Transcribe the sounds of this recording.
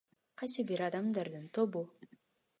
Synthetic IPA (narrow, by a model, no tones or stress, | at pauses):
qɑjsɯbiɾɑd̪ɑmd̪ɑɾd̪ɯnt̪ʰobu